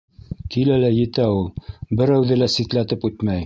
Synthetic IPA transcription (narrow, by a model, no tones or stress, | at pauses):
kilælæjɘ̆t̪æulˠbɘ̆ɾæwðɘlæsit̪læt̪ɘpʉt̪mæj